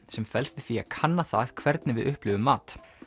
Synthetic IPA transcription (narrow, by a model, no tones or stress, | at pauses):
sɛmfɛlst̪ɪ̥θia̰kʰanːaθa̰ð̥kʰvɛɾt̪̚nɪvɪðʔʏhplʏɣʏmːaːt̪